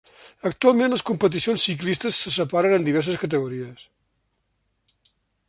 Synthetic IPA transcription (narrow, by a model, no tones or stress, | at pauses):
ək̚t̪ualˠmẽnləskumpət̪̬isionsːiklist̪əsːəsəpaɾənənd̪iβ̞ɛɾs̬əskət̪əɣuɾiəs